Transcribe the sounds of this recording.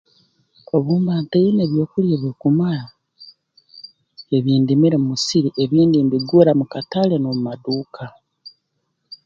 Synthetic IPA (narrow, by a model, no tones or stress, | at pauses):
oβuːmbaːntejeneβjo̞ːkuljeβekumala | eβiːndimiɾemumusiɾiʔeβiːndimbiɡuɾamukatalenomumaduːkʰa